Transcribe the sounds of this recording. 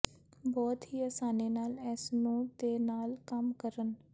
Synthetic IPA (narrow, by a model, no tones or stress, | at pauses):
bɔːt̪ɦiːəsaːneːnaːlɛːsnũːt̪eːnaːlkəmkəɾən